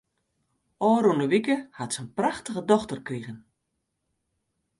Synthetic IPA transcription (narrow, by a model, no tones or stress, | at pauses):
ɔːɾunəʋikəhatsənpraxtəɣədɔxtərkriɣən